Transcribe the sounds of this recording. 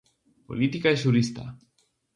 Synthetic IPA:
po̞̰lit̪ikaes̬uɾist̪a̰

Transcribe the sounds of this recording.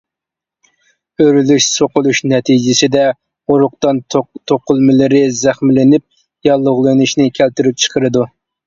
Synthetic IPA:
øɾylyʃsoqʊlˠuʃnɛt̪ʰid͡ʒɪsɪd̪ɛ | oɾʊqt̪ɑnt̪ʰoqʊlˠmɪlɪɾɪzæχmɪlɪnɪp̚ | jɑlˠːʊʁlˠɨnuʃnɪkʲʰælt̪yɾyp̚t͡ʃʰə̥qʰəɾɨd̪u

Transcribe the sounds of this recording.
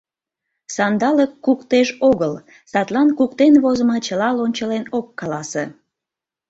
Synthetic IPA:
sɑnd̪ɑləkːukt̪eʒoɣəl | sɑt̪lɑnkukt̪enβozəmət͡ɕəlɑlonʲt͡ɕəlenokːɑlɑse

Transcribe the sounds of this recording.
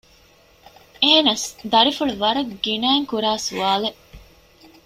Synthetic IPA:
eːnɐsd̪ɐɾifuɭuʋɐɾɐɡɡinæːŋkuɾaːsuʋaːle

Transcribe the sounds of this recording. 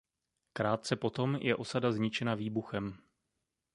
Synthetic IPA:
kɾaːt̪̚t͡sɛpo̞t̪o̞mjʔɛ̰ʔo̞sadazɲɪt͡ʃɛnaviːbuxɛm

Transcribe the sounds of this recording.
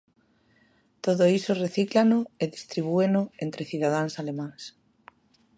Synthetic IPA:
t̪oðoisoreθiklanʊeðist̪ɾiβ̞uenʊent̪ɾeθiðað̞aŋsalemãŋs

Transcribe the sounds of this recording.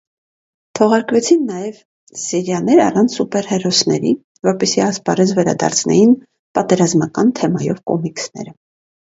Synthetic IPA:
t̪ʰɔʁɑɾkvɛt͡sʰinːɑjɛv | sɛɾjɑnɛɾɑ̰rɑnt͡sʰsupɛɾhɛrɔsnɛɾi | vɔɾpɛsiɑspɑɾɛt͡sʰvɛɾɑ̰d̪ɑ̰ɾt͡sʰnɛ̰jin | pɑt̪ɛɾɑzmɑkɑnt̪ʰɛmɑjɔvkɔ̰miksnɛ̰ɾə

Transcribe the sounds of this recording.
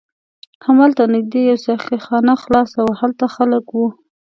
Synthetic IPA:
hamalt̪anɪk̚d̪ejawsaxixɑnaxlɑsawahalt̪axaləkwu

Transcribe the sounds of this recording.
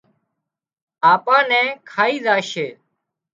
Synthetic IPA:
aːpãːnɛ̃ːkʰaːiːzaːʃeː

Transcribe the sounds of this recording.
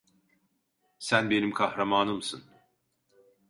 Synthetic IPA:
sænbe̞nimkʰahɾamaːnɯmsɯn

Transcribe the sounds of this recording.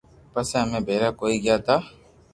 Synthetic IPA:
pəsẽɦəmẽːbʱeːɾaːkoːiːɡɪjaːt̪ʰaː

